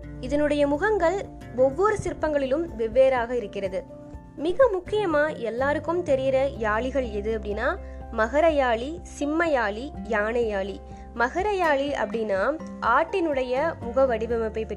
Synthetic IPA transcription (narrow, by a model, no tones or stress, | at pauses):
ɪðɐnɯɽɐjɐmʊɣɐŋɡɐɭ | ɔʋːɔɾɯsɪɾpːɐŋɡɐɭɪlɯmʋɛʋːeːɾaːɣɐɪɾɯkːɪrɐðɯ | mɪɣɐmʊkːɪjɐmaːʔɛlːaːɾɯkːɯmt̪ɛɾɪjɪɾɐjaːɭɪɣɐɭɛðɯɐpːɐɽɪnaː | mɐɣɐɾɐjaːɭisɪmːɐjaːɭijaːɳɐjaːɭi | mɐɣɐɾɐjaːɭiɐ̰pːɐɽɪnaː | ʔaːʈːɪnɯɽɐjɐmʊɣɐʋɐɽɪʋɐmɐpːɐɪpːɛ